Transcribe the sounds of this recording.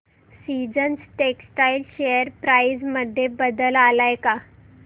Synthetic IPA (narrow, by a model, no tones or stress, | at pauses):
sid͡zənsʈeksʈailɕejəɾpɾajd͡zməd̪ʱːjebəd̪əlalajka